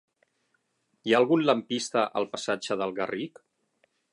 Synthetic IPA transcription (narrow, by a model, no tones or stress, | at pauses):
iaːlˠɣunləmpist̪əʔə̰lˠpəsad͡ʒəðəlˠɣə̰rʔik